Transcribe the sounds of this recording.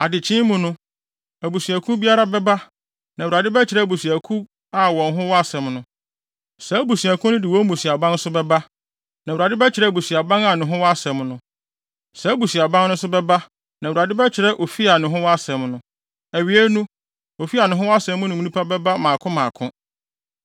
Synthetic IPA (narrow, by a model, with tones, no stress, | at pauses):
a˨dɪ˨t͡ɕʰɪ̃˦mʊ̃˨nʊ̃˦ | æ˨bu˨su˨æ˨kʰũ˦bi˦a˦ɾa˦bɛ˦ba˦ | nã˨u˨ɾa˨dɪ˦bɛ˦t͡ɕʰɪ˨ɾɛ˦˨bu˨sæ˨kʰũ˦ | a˨wɔ̃˨nɦʊ̃˦wɔ˦a˦sɛ̃˨mnʊ̃˨ | sɛ˨˦bu˨si˨æ˨kʰʊ̃˦nʊ̃˦dɪ˨wɔ˦mũ˨si˨a˨bã˦n˦sʊ˦bɛ˦ba˦ | nã˨u˨ɾa˨dɪ˦bɛ˦t͡ɕʰɪ˨ɾɛ˦˨bu˨si˨a˨bã˦ŋa˨nʊ̃˨ɦʊ̃˦wɔ˦a˦sɛ̃˨mnʊ̃˨ | sɛ˨˦bu˨si˨a˨bã˦ŋnʊ̃˦sʊ˦bɛ˦ba˦ | nã˨u˨ɾa˨dɪ˦bɛ˦t͡ɕʰɪ˨ɾɛ˦ʔo˨fi˦a˨nʊ̃˨ɦʊ̃˦wɔ˦a˦sɛ̃˨mnʊ̃˨ | æ˨ɥi˨e˦nũ˦ | o˨fi˦a˨nʊ̃˨ɦʊ̃˦wɔ˦a˦sɛ̃˨mʊ̃˦nʊ̃˦mĩ˨˦nĩ˦pʰa˦bɛ˦ba˦mãː˨kʰʊ̃˦mãː˨kʰʊ̃˦